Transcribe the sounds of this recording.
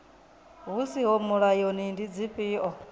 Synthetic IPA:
ɦusiɦɔmuɺajɔnindid͡ziɸiːʔɔ

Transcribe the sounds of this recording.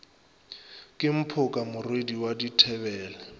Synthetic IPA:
kʼɪm̩pʰʊkʼamʊrwediwaditʰɛbɛːlɛ

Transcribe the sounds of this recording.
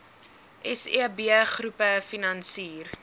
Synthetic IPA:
ʔɛsḭbiəχrupəfinɐnsiːr

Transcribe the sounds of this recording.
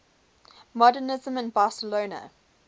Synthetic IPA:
mɔdənɪzə̃mɪ̃nbɑːˑsəloːnə̰

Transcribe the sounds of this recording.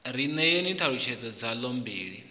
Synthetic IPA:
ɾ̤inɛjenintʰaɺut͡ʃʰɛd͡zɔd͡zalɔmbiːɺi

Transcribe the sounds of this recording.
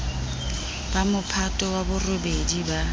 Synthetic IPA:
b̥amʊpʰatʼɔwabʊrobediba

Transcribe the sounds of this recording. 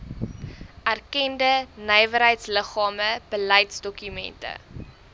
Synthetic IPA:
ʔærkɛndənəjvəɾɦəjtsləχɑːməb̥ələjtsdɔkymɛ̰ntə̰

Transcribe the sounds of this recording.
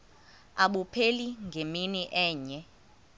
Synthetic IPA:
aɓupʰeliŋɡʱeminiʔɛːɲɛ

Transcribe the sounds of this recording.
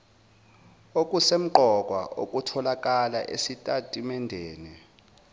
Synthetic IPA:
okʼusem̩ǃɔk̬ʼwa̰okʼutʰɔlak̬ʼala̰ʔḛsitʼatʼimɛndʱɛːnɛ

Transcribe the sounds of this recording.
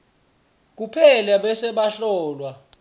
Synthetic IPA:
k̬upʰɛlaɓɛsɛɓaɬɔːlwa

